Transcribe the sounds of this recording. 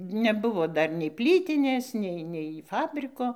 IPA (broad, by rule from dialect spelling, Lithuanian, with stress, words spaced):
nʲɛˈbʊʋoː ˈdɐr nʲɛɪ ˈpʲlʲiːtʲɪnʲeːs ˈnʲɛɪ nʲɛɪ ˈfɑːbʲrʲɪkoː